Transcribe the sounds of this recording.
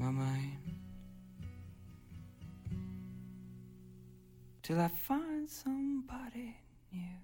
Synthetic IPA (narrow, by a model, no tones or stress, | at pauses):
mamãɪn | tʰɨlˠaɪfãɪ̃nd̥sʌ̃mbɑɾi | njʉ